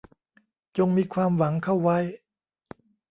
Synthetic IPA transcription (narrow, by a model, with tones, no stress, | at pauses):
t͡ɕo˧ŋmiː˧kʰwaː˧mwa˩˦ŋkʰa˥˩wwa˦˥j